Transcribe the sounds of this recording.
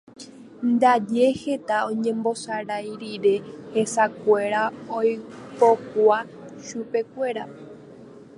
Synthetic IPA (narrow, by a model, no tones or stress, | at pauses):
nd̪ad͡ʒe̞he̞t̪aõ̞ɲẽ̞mbo̞saɾajɾiɾe̞he̞sakʷe̞ɾaojpo̞kʷa | ʃupe̞kʷe̞ɾa